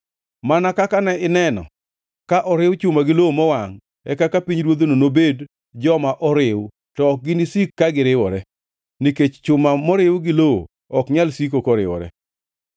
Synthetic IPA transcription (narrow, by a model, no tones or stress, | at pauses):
manakakanɛɪnɛnɔ̰ | kaʔɔɾɪwt͡ʃʊmaɡɪloomɔwaŋ | ɛkakapiɲɾwod̪ononobed | d͡ʒɔmaʔɔɾɪw | tɔːk̚ɡɪnisikːaɡɪɾɪwɔɾɛ | niket͡ʃt͡ʃʊmamɔɾɪwɡɪloo̰ | ɔkɲalsik̬okɔɾɪwɔ̰ɾɛ̰